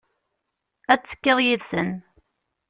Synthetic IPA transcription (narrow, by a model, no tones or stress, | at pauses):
æt͡sːə̥kːeðˤjiðsə̰n